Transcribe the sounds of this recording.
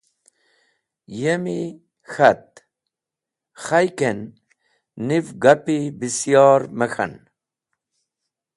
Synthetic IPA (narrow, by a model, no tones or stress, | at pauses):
jemi | xat̪̚ | xajkenː | ivɡapibisjɑːɾməxa̰n